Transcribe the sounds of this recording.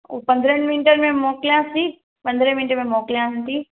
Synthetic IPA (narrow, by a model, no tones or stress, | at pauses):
ṵːpɐ̃nd̪ʱɾənmɪnʈəɾmẽmoːklijãsi | pɐ̃nd̪ɾə̃mɪnʈɾmẽmoːklijãɦnt̪iː